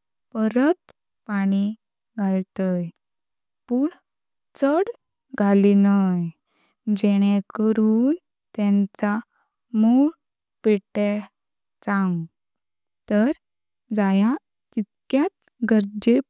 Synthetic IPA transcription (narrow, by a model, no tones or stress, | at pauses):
pəɾət̪̚ | paɽ̃i | ɡʱalt̪əj | puɳ | t͡səɽ | ɡʱalinaj | d͡ʑeɽ̃ẽkəɾuːn | t̪ɛ̃nt͡sa | muɭ | peʈe | t͡sãŋɡ | t̪əɾ | d͡zaja | t̪it̪kjat̪ | ɡəɾd͡ʑe